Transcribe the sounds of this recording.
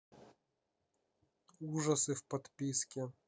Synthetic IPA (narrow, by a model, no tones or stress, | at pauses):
uʐɐsɨfpɐt̪pʲiskʲɛ